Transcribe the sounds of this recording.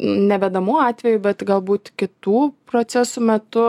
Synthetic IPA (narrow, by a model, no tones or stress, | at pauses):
nʲɛʋʲɛd̪ɐmuːɑːt̪ʲʋʲɛjʊbʲɛt̪ɡɐlˠbuːt̪kʲɪt̪uːpɾoːt͡ssʲæsuːmʲɛt̪ʊ